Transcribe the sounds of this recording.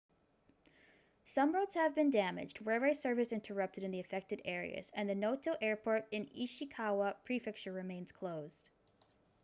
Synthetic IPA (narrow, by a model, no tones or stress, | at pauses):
sʌ̃mɹoʊdz̥hɨvbɨ̃ndæmɨ̰d͡ʒd̚wɛɹweɪsɜ˞vɨsɪ̃ntʰə˞ʌp̚tɨɾɨ̃nðiɨfɛk̚tɨɾɛɹḭɨ̰z̥ɨ̃nðɨnoʊtʰoʊʔɛɹpʰɔɹɾɨ̃niʃɨkʰawəpʰɹ̥ifɛk̚t͡ʃə˞ɹɨmẽɪ̃nz̥kʰl̥oʊz̥d̥